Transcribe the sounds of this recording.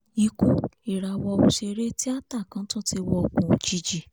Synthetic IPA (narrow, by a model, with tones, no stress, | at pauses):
i˧˦kũ˦i˨ɾa˨˧wɔ˧wu˧ʃe˧ɾe˦ti˦a˦ta˦˨kã˨˦tã˦tʰi˧wɔ˧˨kũ˨d͡ʒi˧d͡ʒi˨